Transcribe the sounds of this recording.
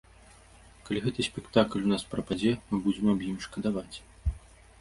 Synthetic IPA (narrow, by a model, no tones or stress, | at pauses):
kalʲiɣɛt̪ɨsʲpʲɛkt̪aklʲunaspɾɐpad͡zʲɛmɨbud͡zʲɛmabjimʂkɐd̪avat͡sʲ